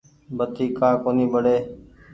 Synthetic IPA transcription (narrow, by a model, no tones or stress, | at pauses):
bət̪iːkãːkoːniːbəɽeː